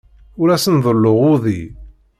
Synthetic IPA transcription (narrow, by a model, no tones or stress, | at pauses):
ʊɾæsənðˤəlːʊʁʊðˤḭ